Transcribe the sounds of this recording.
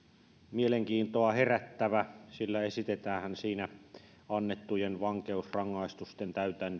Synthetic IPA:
mieleŋkiːnt̪oɑheræt̪ːæʋæsilːæesit̪et̪æːhænsiːnæ | ɑnːet̪ːujenʋɑŋkeusrɑŋːɑˑist̪ust̪ent̪æyt̪ænː

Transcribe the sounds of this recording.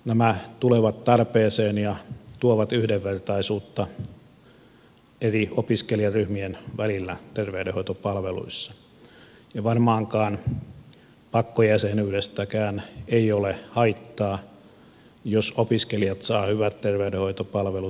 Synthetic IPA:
næmæt̪uleʋɑt̪t̪ɑrpeːseːnjɑt̪uoʋɑt̪yhdeʋʋert̪ɑisuːt̪ːɑ | eriopiskeliɑryhmienʋælilːæ̰t̪erʋeydehoit̪opɑlʋelṵisːɑ̥ | jɑʋɑrmɑːŋkɑːn | pɑkːojæsenyːdest̪ækæːneiolehɑit̪ːɑː | josopiskelijɑt̪sɑːhyʋæt̪t̪erʋeydehoit̪opɑlʋelu

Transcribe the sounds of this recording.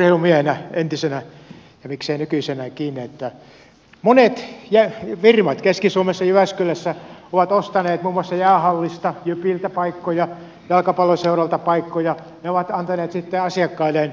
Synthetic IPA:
rheˑlumiehenæent̪isenæ | jɑmikseːnykysenækiːnːiet̪ːæ | monet̪jæʋirmɑt̪keskisuomesːɑjyʋæskølæsːæoʋɑt̪ost̪ɑneːt̪muːmːoɑsːɑjæːhɑlːist̪ɑjypilt̪æpɑikːojɑ | jɑlkɑpɑlːoseurɑlt̪ɑpɑikːojɑ | neoʋɑt̪ɑnt̪ɑneːt̪sit̪ːeɑsiɑkːɑilːˑen

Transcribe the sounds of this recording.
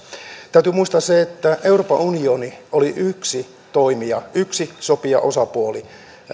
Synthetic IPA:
t̪æyt̪ymuist̪ɑsseet̪ːæʔeuroːpɑunioniʔoliʔyksi | t̪oimiɑyksisopiɑ̰ʔosɑpuoli

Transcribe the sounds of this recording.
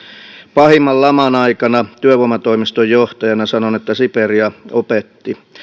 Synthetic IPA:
pɑhimːɑlːɑmɑnɑikɑnɑt̪yøʋomɑt̪oimist̪ojjoht̪ɑjɑnɑsɑnonet̪ːæsiperiɑopet̪ːi

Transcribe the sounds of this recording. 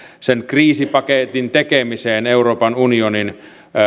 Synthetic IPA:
senkriːsipɑket̪int̪ekemiseːneuroːpɑnunionin

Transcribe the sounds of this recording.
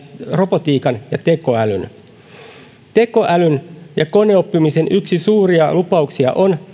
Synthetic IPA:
ro̞pot̪iːkɑnjɑt̪e̞ko̞ælyn | t̪e̞ko̞ʔælynjɑko̞neopːimisenʔyksisuːriɑlupɑuksiɑ̰ʔon

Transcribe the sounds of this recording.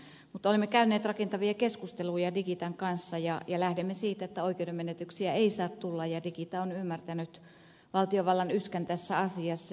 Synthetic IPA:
mut̪ːˑolimːekæynːˑeːt̪rɑkent̪ɑʋiɑkeskust̪elujɑdikit̪ɑŋkɑnsːɑjɑjɑlæhdemːesiːt̪æet̪ːæoikeudemenet̪yksiæeisɑːt̪t̪ulːɑjjɑdikit̪ɑonymːært̪ænyt̪ | ʋɑlt̪ijoʋɑlːɑnyskænt̪æsːæɑsiɑsː

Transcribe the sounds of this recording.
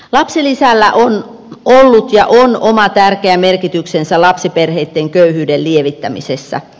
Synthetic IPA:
lɑpsilisælːæʔon | olːut̪jɑʔonomɑt̪ærkeæmerkit̪yksensælɑpsiperheit̪ːeŋkøyhyːdellieʋit̪ːæmḭsesːæ̰

